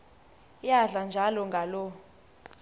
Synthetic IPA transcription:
jaɮand͡ʒʱalɔŋɡʱalɔ

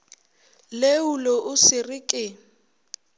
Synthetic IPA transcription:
leulɔʔʊsɪrɪkʼɪ

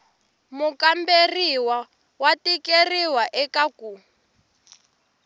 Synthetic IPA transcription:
mukamberiwa | watikeriwaʔɛkaku

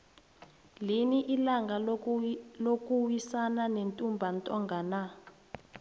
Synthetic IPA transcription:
liniʔilaŋɡa | lok̬ʼuwisananentʼumbʱantʼɔŋɡʱana

